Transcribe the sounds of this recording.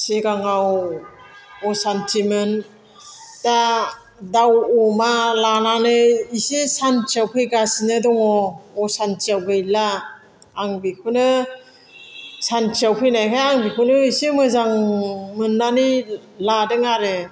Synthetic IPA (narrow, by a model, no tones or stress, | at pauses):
siɡaŋaw | ɔsantʰimen | da | dawɔmalananɯisisant͡ʃawpʰɯjɡasinɯdɔŋɔːsantʰiawkɯjlaː | ŋbikʰunɯ | sant͡ʃiawpʰɯjnajkʰajaŋbikʰunɯisimɯzaŋmɯnːani | ladɯŋaɾɯ